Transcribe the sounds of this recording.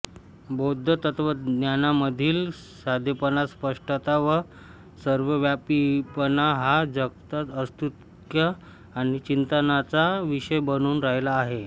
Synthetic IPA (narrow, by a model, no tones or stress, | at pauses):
bod̪ʱːət̪ət̪ʰʋənjanaməd̪ʱiːl | sad̪ʱjəpənaspəʂʈət̪aʋə | səɾʋəʋjapipənaɦad͡zəkt̪ət̪əst̪ut̪ | kja | aɽ̃it͡ɕint̪ənat͡saʋiɕəjbənuːnɾaɦjlaːɦe